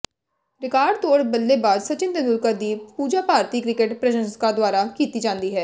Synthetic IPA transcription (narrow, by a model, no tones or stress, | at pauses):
ɾɪkaːɾɖt̪oːɽbəlːeːbaːd̪sət͡ʃɪ̃nd̪ɾnʊlkəɾd̪iːpuːd͡ʒaːpaːɾt̪iːkɾɪkeʈpɾəʃənskad̪ʊaːɾaːkiːt̪iːd͡ʒãːnd̪iːɦɛː